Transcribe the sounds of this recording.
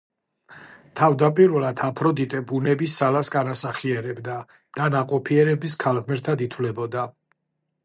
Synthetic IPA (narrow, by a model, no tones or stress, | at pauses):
t̪ʰavd̪apʼiɾvɛlˠad̪ʰapʰɾɔd̪it̪ʼɛbunɛbisːalasɡanasaχiɛɾɛbd̪a | d̪̥anaqʼɔpʰiɛɾɛbis̬kʰalˠʁmɛɾt̪ʰad̪it̪ʰwlɛbɔd̪a